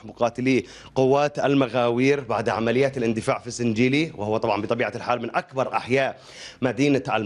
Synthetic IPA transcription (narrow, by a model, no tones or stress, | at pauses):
mʊqɑːt̪ɪliː | qʊwːaːt̪a̰lmaɣaːwiːɾbaʕd̪ʕamalɪjːaːt̪alʔɪnd̪ɪfaːʕfisɪnd͡ʒiːliwɪhʊwːat̪ˤɑbʕɑnmbɪt̪ˤɑbiːʕalħaːlmɪnʔakbɑɾˤʔa̰ħjaːʔ | mad̪iːnaa̰l